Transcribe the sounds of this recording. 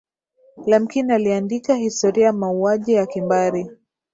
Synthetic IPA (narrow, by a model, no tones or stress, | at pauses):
lam̩kinaliandikahistɔɾiajmauaʄijakimbaɾi